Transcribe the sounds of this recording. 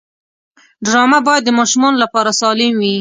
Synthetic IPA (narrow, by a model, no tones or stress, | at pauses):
ɖɾɑmabɑjad̪ːəmɑʃʊmɑnolapɑɾasɑlɪmwi